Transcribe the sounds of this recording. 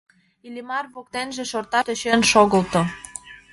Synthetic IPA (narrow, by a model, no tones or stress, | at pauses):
ilʲimɑrβok̚t̪enʒĕʃort̪ɑt̪øɕenʃoɣə̆lt̪o